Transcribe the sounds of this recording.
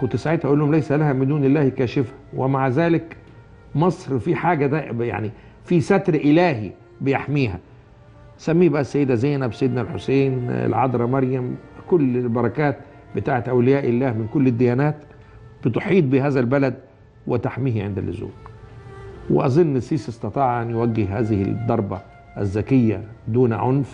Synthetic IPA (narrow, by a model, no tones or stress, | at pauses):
kʊnt̪ːɪsaʕed̪hʔæʔulːuhʊmlæjsælæhæmɪd̪uːnɪlːæːhkæːʃɪfhæwemaʕzæːlɪk | mɑsˤɾfiħaːɡæd̪æja̰ʕni | fisæt̪ɾʔɪlæːɦḭ | bɪjaħmiːhæ̰ | sæmːiːbæʔæsːæjːɪd̪æzæjːnæbsæjɪd̪nælħo̰seːnɪ̰lʕɑd̪ɾˤɑmɑɾjæmkʊlːlbɑɾˤɑkæːt̪ | bɪt̪aːʕet̪ʔæwlɪjæːʔɪlːæːhmɪnkʊlːɪd̪ːɪjæːnæːt̪ | b̥ɪt̪ʊħiːt̪̚ˤbiɦæːzælbælæd̪ | wɪt̪aħmiːhiʕɪnd̪æ̰lːʔɪzṵːq | wɪ̰ʔɑzˤɨnːɪsiːsʔɪst̪ɑt̪ˤɑːʕʔænjwæɡːɪhhæːzɪhɪ̰d̪ˤːɑɾˤbɑ̰ | ʔæ̰zːækɪjːæ̰d̪uːnʕonf